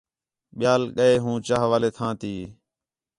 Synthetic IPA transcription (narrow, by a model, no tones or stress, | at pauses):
ɓɪjaːlɠəeːɦũːt͡ʃaːɦʋaːleːt̪ʰãːt̪iː